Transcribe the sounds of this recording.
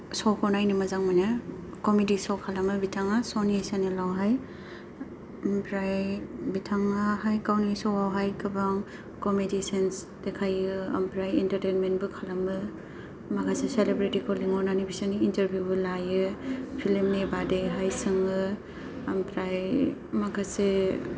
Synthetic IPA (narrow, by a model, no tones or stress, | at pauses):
sɔwkʰɔnajnimazaŋmajna | komidisɔwkʰalamɯbitʰaŋasɔniesanilawɦaj | mpɾajbitʰaŋahajkawnisɔwawɦajkɯbaŋ | kɔmedisens | dekʰajɯɐ̰mpɾajintɐɾtejnmentbɯkʰalamɯ | makʰaseselebɾitikɔliŋɔɾnanibisaniinteɾbʱjubɯlajɯpʰilimnebadejɦajsɯŋɯ | ɐmpɾajmakʰase